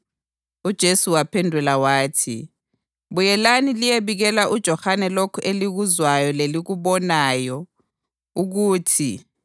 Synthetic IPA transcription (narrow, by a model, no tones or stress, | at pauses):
ud̥ʒ̥ʱesuwapʰɛndʱulawaːtʰḭ | ɓujɛlanilijeβiɣɛlaʔud̥ʒ̥ʱɔhanɛlokʰɔʔeliɣuzwajɔleliɣuɓɔnajɔ | uɣ̬uːtʰi